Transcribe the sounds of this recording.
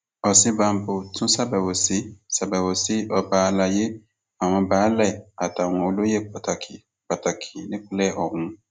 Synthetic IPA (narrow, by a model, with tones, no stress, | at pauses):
ɔ˨sĩ˦ba˨˦m˦bo˨tʰũ˦sa˦ba˨bo˨si˦sɛ˨ba˨bo˨si˦ɔ˧baː˨˦la˨je˦ | a˨w̃ɔ̃˧baː˨˦lɛ˦˨a˨ta˨w̃ɔ̃˨o˨lo˦je˦k͡pa˨ta˨kʰi˨ | k͡pa˨ta˨kʰi˨nĩ˦k͡plɛ˦ʔɔ˨wũ˨˦